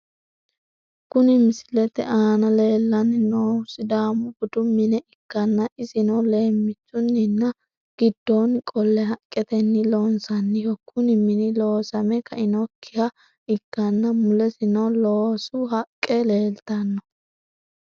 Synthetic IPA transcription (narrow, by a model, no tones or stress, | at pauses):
kʊnɪmɪsɪlɛt̪ɛ̰ʔaːnɐle̞ːlːɐnɪnoːsɪd̪aːmʊbʊd̪ʊmɪnɛʔɪkːɐnːɐʔɪzɪnɐwle̞ːmːɪt͡sːʊnːɪnːɐ | ɡ̥ɪd̪̥ːonkʼɔlːɛɦɐkʼːɛt̪ɛnːɪloːnsɐnːɪjɔkʰːʊnɪmɪnɪloːsɐmɛkɐʔɪnɔkʰːɪhɐ | ɪkːɐnːɐmʊlɛsɪnɐloːsʊhɐkʼːɛle̞ːlt̪ɐnːɔ